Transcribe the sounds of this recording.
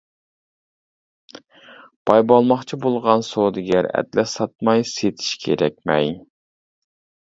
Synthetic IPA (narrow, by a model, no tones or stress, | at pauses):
b̥ɑjbɑlˠmɑχt͡ʃʰibolˠʁɑnsod̪ɪɡʲɛɾɛ̰d̪lɛsɑt̪̚mɑjset̪ʰi̥ʃkʲʰḛɾɛkʲmɛ̰j